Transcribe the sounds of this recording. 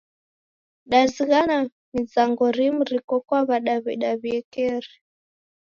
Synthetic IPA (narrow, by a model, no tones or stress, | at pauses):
ɗaziɣana | mizaŋɡɔɾim̩ɾikɔkwaβaɗaβḭɗaβiɛkɛɾi